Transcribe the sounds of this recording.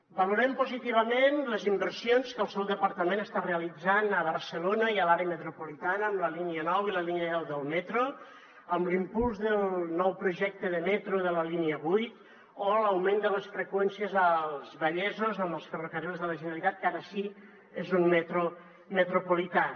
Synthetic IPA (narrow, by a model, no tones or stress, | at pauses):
baluɾɛmpuzit̪iβ̞əmenləzimbəɾsionskəlˠsɛwd̪əpəɾt̪əmẽnəst̪areəlid͡zanəβ̞əɾsəlonəiəlaɾeəmət̪ɾupulit̪anəːmləliniənɔwiləliniənɛwðəlˠmɛt̪ɾo | əmlimpulˠzðəlˠnɔwpɾuʒɛk̚t̪əðəmɛt̪ɾuðələliniəβujt̪ | oləwmẽnd̪ələsfɾəkwɛnsiəzəlˠzβəʎɛzozəməlˠsfərukəɾilzðələʒənəlit̪at̪̚kaɾəːʃi | ezunmet̪ɾu | mət̪ɾupulit̪a